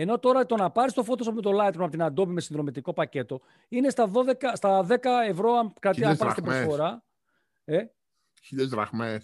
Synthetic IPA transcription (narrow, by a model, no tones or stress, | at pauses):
e̞no̞t̪o̞ɾɐt̪o̞nɐpɐɾist̪o̞fo̞t̪osspume̞t̪o̞lɐt̪ɾomɐpot̪inɐnd̪o̞bime̞sinðɾo̞mit̪iko̞pɐce̞t̪o̞ | ine̞st̪ɐðo̞ðe̞kɐst̪ɐðe̞kɐe̞vɾo̞ɐnkɾɐt̪ipɐɾist̪ibosfoɾɐ | e | çilezɾɐ̰ɣmes